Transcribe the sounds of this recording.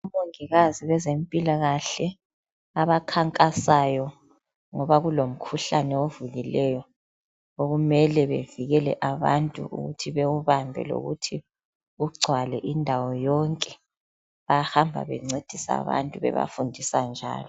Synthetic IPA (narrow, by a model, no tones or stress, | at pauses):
umoŋiɣaziwɛzempʼilaɣaɬɛ | aβakʰaŋkʼasajɔ | ŋɔβaɣulom̩kʰuɬanɛovuɣilɛjɔ | oɣumɛlɛβeviɣɛlɛ̰ʔaβantʼṵʔṵɣṵtʰiβewuβambʱɛ̰lo̰ɣutʰi | uɡ͡ǀʱwalɛʔindʱawɔjɔŋkʼɛ | βahambʱa̰βɛ̰ŋ͡ǀed̥ʱisa̰βa̰ntʼuβɛ̰βa̰fundʱisand͡ʒʱa̰ːlɔ